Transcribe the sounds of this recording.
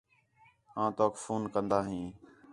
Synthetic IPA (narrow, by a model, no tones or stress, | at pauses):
ãːt̪oːkfuːnkənd̪aːɦĩː